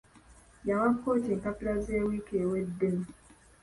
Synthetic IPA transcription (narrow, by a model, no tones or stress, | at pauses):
jawakːoːteŋkapilazeːwikewedːem̩